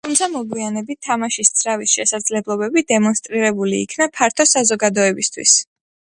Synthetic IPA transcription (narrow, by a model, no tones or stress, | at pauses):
t̪ʰumt̪sʰamɔɡwianɛbit̪ʰːamaʃist̪sʰɾavisʃɛsad̪zlɛblˠɔbɛbid̪ɛmɔnst̪ʼɾiɾɛbulḭːkʰnapʰaɾt̪ʰɔsazɔɡad̪ɔɛbist̪ʰwḭs